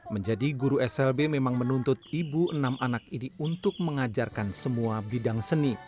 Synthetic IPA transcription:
məɲd͡ʒadiɡuɾuɛsɛlbememaŋmənunt̪ʊt̪̚ibuʔənamʔanakiniunt̪ʊk̚məŋad͡ʒarkansəmuabidaŋsəni

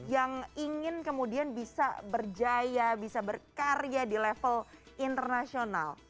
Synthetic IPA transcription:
jaŋiŋɪnkəmudianbisa̰bərd͡ʒajabisabərkaradilɛfəl | ʔint̪ərnasiona̰l

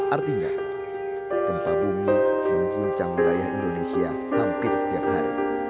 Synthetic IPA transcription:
ʔart̪iɲa | t̪əmpabumiməmkuɲt͡ʃaŋəɾajaɦindonesia | hampɪrsə̥t̪iap̚haɾḭ

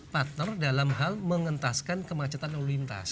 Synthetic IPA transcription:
pat̪ərdalamɦalməŋənt̪askankəmat͡ʃat̪anolint̪a̰s

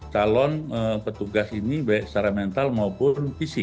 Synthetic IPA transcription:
t͡ʃalɔnəpət̪uɡasinibaɛʔsaɾamɛnt̪almɔpʊnfisɪk

